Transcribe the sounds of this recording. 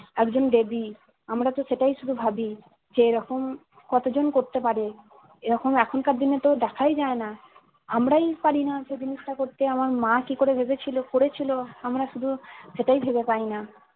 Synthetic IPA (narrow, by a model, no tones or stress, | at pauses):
ɛkd͡ʑonɖebi | amɾat̪oʃeʈajʃud̪ʱubʱabi | d͡ʑeeɾɔkom | kɔt̪od͡ʑonkoɾt̪epaɾe | eɾɔkomɛkʰonkaɾd̪inet̪oɖɛkʰajd͡ʑaena | amɾajpaɾinad͡ʑed͡ʑiniʃʈakoɾt̪eamaɾmãkikoɾebʱebet͡ɕʰilokoɾet͡ɕʰiloamɾaʃud̪ʱuʃeʈajbʱebepaɾina